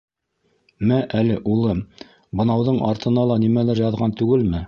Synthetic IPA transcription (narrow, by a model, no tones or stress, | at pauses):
mæʔælɘʔulˠɤm | bɤ̆nɑwðɤɴʔɑɾt̪ɤ̆nɑlˠɑnimælɘɾjɑðʁɑnt̪ʉɡɘlmɘ